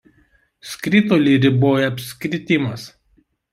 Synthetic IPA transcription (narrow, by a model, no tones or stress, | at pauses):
sʲkɾʲɪt̪oːlʲiːɾʲɪboːjɛɐpʲsʲkʲɾʲɪt̪ʲɪmɐs